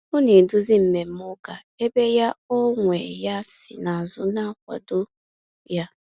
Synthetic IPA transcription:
ʊ˦ne˨dʊ˦zi˦m̩˨me˨m̩˦mʊ˦ka˨ | e˦be˦ja˦ɔ˦ŋʷe˨ja˦sɪ̰˨na˨zʊ˦na˦kʷa̰˨dʊ˦ | ja˦

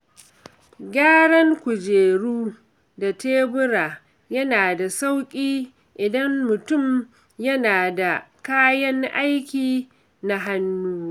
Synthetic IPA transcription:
ɡʲaː˦ɽɐ˦ŋkʷʊ˨d͡ʒeː˨ɽuː˦ | da˨teː˦bʊ˦ɾaː˨ | jɐ˦naː˨da˨sa˦wkʲʼiː˦ | ʔɪ˨dɐ˦mːʊ˨tʊ˦˨m | jɐ˦naː˨da˨kaː˦jɐ˦ŋʔa˦jkʲiː˨ | na˦ɦa˦nːuː˦

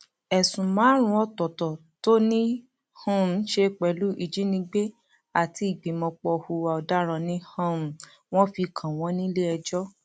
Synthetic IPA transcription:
ɛ˨sũ˨mãː˨˦ɾ̃ũ˧˦ɔ˧tɔ˨tɔ˨ | to˦nĩ˦ | hɔ̃˦˨˦ʃe˧k͡pɛ˨lu˨˦ʔi˧˨d͡ʒi˦nĩ˧˦ɡ͡be˦ | a˨ti˧˦i˦˨ɡ͡bĩ˨mɔ̃˧k͡pɔ˧hu˨˧wa˧ɔ˧da˦ɾ̃ã˧nĩ˦hã˦˨ | w̃ɔ̃˦fi˧kʰã˨w̃ɔ̃˨˦nĩ˦le˦ɛ˧d͡ʒɔ˦

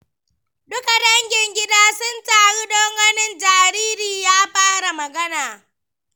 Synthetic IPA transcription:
ɗʊ˦ka˨ɗɐ˦ŋɡʲɪ˨ŋɡʲɪ˦daː˦sʊ˦ntʼaː˨ɽi˦ɗoː˦ŋɡɐ˦nɪ˦nd͡ʒaː˨ɾiː˦ɾiː˨jaː˦ɸaː˦ɽa˨mɐ˨ɡɐ˦naː˨

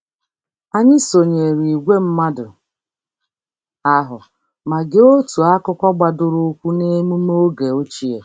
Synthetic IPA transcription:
a˦ɲɪ˦so˨ɲe˨ɾi˨ɡʷe˦m̩˦ma˦dʊ˨ | a˦ɦʊ˨ | ma˨ɡe˦o˦tu˨a˦kʊ˦kʷa˦ɡ͡ba˨dʊ˨ɾʊ˦kʷu˦ne˦mu˦mo˦ɡe˨o˦t͡ʃi˦e˨

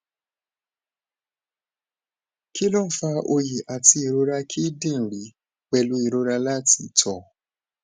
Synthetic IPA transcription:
ki˦lɔ˦˨fa˧ʔo˧ji˨ʔa˨ti˧i˨ɾo˦ɾa˧kʰi˦dĩ˦˨n̩˨ɾi˨˦ | wɛ˧lu˦i˨ɾo˦ɾa˧la˦ti˧tʰɔ˦˨

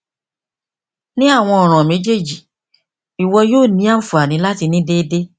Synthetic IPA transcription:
nĩ˦a˦˨w̃ɔ̃˧ɔ˨ɾ̃ɔ̃˨mẽ˨˦d͡ʒe˦˨d͡ʒi˨ | i˨wɔ˧joː˦˨nĩ˨˦a˦˨fu˨a˨nĩ˨˦la˦ti˧nĩ˦de˦de˦

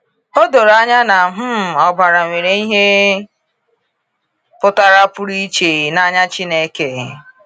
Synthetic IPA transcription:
o˦do˨ɾa˦ɲa˦na˨ɦʊ˦m˨ɔ˨ba˨ɾa˨ŋʷe˨ɾe˨˦i˦ɦe˦ | pʊ˦ta˦ɾa˦pʊ˦ɾi˦t͡ʃe˨na˦ɲa˦t͡ʃi˦ne˦ke˨

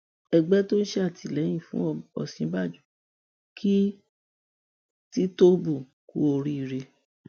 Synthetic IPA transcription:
ɛ˧ɡ͡bɛ˦to˦n̩˦ʃe˦a˦˨tʰi˨lɛ˨˦j̃ĩ˦˨fũ˦ɔ˦˨ɔ̰˨sĩ˨˦ba˦˨d͡ʒu˨˦ | kʰi˦ | ti˦to˦bu˦˨ | kṵ˦o˧ɾi˦i˦˨ɾe˧

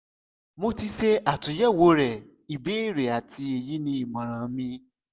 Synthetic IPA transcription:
mo˧ti˧se˧a˨tũ˨˦jɛ˦˨wo˨˦ɾɛ˨ | i˨be˨˦i˦˨ɾe˨a˨ti˧˦e˧ji˦nĩ˧˦i˦˨mã˨ɾ̃ã˨˦mĩ˧˦

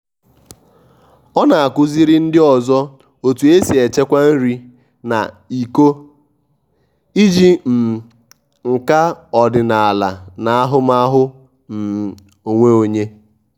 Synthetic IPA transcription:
ɔ˦na˨a˨kʊ˦zi˦ɾi˦n̩˦dɪ˦ɔ˨zɔ˦ | o˨tu˨e˦si˨e˨t͡ʃe˦kʷa˦n̩˦ɾi˦ | na̰˨ | i˨ko˦ | i˦d͡ʒi˦m̩˨ | ŋ̩˨ka˦ɔ˨dɪ˨na˨a˨la̰˨na˨a˦ɦʊ˦ma˦ɦʊ˦ | m̩˨ | o˨ŋʷe˦o˨ɲe˦

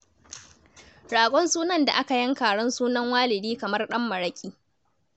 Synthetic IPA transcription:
ɽaː˨ɡʷʼɔ˦nsuː˦nɐ˦nda̰˨ʔa˦ka˨jɐ˦ŋkaː˨ɽɔ˦nsuː˦nɐ˦ŋwaː˦lɪ˨diː˦kɐ˨mɐ˦rɗɐ˦mːɐ˨ɽɐ˦kʲʼiː˦

